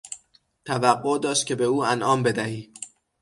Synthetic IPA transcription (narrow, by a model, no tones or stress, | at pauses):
t̪ʰævæɢːo̞d̪ɒːʃt̪̚cʰe̞be̞uːænʔɒːmbe̞d̪æhiː